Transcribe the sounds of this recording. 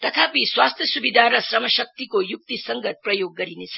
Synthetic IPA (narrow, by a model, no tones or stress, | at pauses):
t̪ʌk̪ʰapiswast̪ʰjʌsubid̪ʱaɾʌsrʌmʌsʌk̚t̪ikojuk̚t̪isʌŋɡət̪̚prʌjoɡːʌɾinet͡sʰʌ